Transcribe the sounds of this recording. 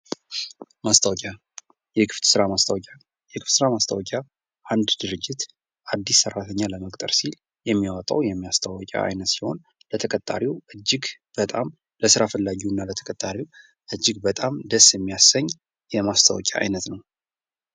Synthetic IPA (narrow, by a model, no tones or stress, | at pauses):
mast̪ʰawɔkʼa | jɛkʰɨft̪sɨɾamast̪ʰawkʼa | jɛkʰɨft̪sɨɾamast̪ʰawɔkʲʼa | ʔand̪d̪ɨɾɨd͡ʒːɪt̪ | ʔad̪ːisːərːat̪ʰəɲːaləməkʼt̪ʼə̰ɾsil | jɛmːiwat̪ʼa̰wjɛmːijast̪ʰawɔkʼa̰a̰jnət̪siho̞̰n | lət̪ʰəkʼət̪ʼːa̰ɾiwʔɨd͡ʒːɪɡ | b̥ət̪ʼam | ləsɨɾafəlːaɡiunːalət̪ʰə̥kʼət̪ʼːaɾiw | ʔɨd͡ʒːɪɡbət̪ʼamd̪əsjɛmːijasəɲː | jɛmast̪ʰa̰wɔ̰kʼja̰a̰jnət̪nəw